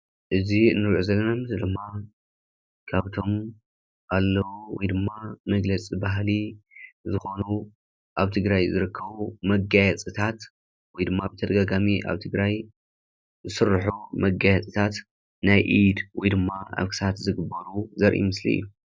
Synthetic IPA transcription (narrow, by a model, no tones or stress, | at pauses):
ʔɨzinːɨɾʕuzɐlːɐnamɨsld̪ɨmːa | kʰaβt̪ʰo̞m | ʔalːɐwuwɔ̰jd̪ɨmːamɐɡlɐt͡sʼibaɦlizɨxonu | ʔaβt̪ʰɨɡɾajzɨɾɨkʰːɐβumɐɡajɛt͡sʼɨt̪ʰat̪ | wɔjd̪ɨmːabɨt̪ʰɐd̪ɐɡaɡamiʔa̰βt̪ʰɨɡɾaj | zɨsɨrːħumɐɡajɛt͡sʼɨt̪ʰat̪ | najʔid̪wɔjd̪ɨmːaʔa̰βkʰɨ̥sat̪zɨɡɨbːɐɾuzɐɾʔḭmɨslḭjːu